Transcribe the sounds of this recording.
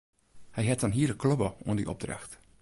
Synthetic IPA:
hɛjɦɛt̚anɦiələkʰːløbəuəndḭʔɔ̰b̚dra̰xt

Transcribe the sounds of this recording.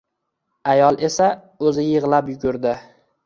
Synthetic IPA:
ajɒlˠʔe̞sa | ɵzɪjɨʁlˠapjʊɡʊɾd̪ɪ

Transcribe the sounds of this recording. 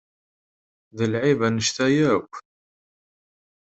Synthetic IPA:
ðəlʕivænəʃt̪æjækʷː

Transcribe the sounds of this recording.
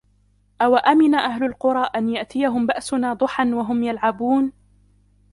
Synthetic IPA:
ʔawaʔamɪnaʔaɦlʊlqʊɾˤɑːʔanjaʔt̪ɪjaɦʊmbaʔsʊnaːd̪ˤʊħanwaɦʊmjalʕabuːn

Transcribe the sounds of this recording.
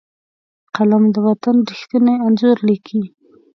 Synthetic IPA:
qalamd̪əwat̪anɾixt̪ənajanzʊɾlikʰi

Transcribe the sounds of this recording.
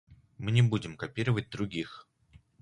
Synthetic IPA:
mɨnʲɪbudʲɪmkɐpʲiɾəvət̚ʲd̪ɾʊɡʲix

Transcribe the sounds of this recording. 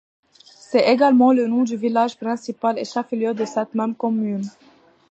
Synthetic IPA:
sɛeɡalmɑ̃lənɔ̃d̪yvilaʒpχɛ̃sipalḛʃafiljød̪əsɛt̪mɛmkɔmyn

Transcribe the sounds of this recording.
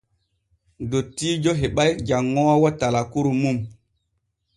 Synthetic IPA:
dotːiːd͡ʒoɦeɓajd͡ʒaŋːɔwawɔtalakuɾumum

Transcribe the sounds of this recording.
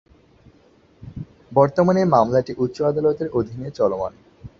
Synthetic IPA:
bɔɾt̪omanemamlaʈiʔut̪ːɕoad̪alot̪eɾod̪ʱinet͡ɕɔloma̰n

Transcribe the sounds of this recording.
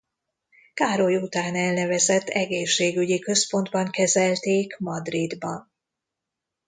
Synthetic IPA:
kaːɾojut̪aːnɛlnɛvɛzɛt̪ːɛɡeːʃːeːɡyɟikø̞spo̞nd̪bɒŋkɛzɛlt̪eːkmɒd̪rid̪bɒn

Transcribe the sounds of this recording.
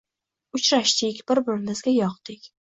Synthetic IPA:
ʊt͡ʃɾaʃd̪ɪkʲb̥ɪɾbɪɾɪmɪzɡʲajɒqd̪ɪkʲ

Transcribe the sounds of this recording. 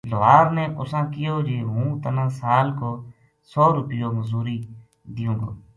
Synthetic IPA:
loːaːɾneːʔʊsãːkɪjoːd͡ʒeːɦũːt̪ənãːsaːlkoː | soːɾʊpɪjoːməzuːɾiː | d̪ɪjũːɡo̰ː

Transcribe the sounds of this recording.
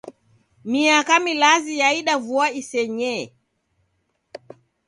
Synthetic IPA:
miakamilazijaiɗavuaisɛɲɛ

